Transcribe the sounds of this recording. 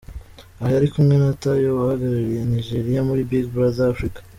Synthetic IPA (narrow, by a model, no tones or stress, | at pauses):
ahajaɾikumŋe̞natajowahaɡaɾaɾije̞niʒeɾijamuɾibiɡbuɾazaːfɾikḁ